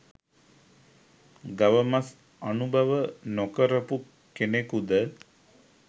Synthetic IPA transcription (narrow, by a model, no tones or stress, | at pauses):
ɡaʋəmas | anubʱaʋənokəɾəpu | kenekud̪ə